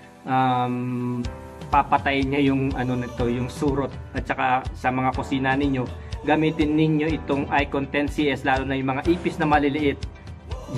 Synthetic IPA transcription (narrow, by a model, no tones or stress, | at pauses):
ʔam | papɐt̪ɐjɲajʊŋʔɐno̞nɐɪt̪o̞jʊŋsuːɾot̪̚ʔɐt̪̚t͡ʃɐkasɐmɐŋakosiːnɐnɪɲjo̞ɡɐmiːt̪ɪnːɪɲjo̞ʔɪt̪o̞ŋʔajkont̪ɛnsiʔɛslaːlonɐjʊŋmɐŋaʔiːpɪsnɐmɐlɪlɪʔɪt̪̚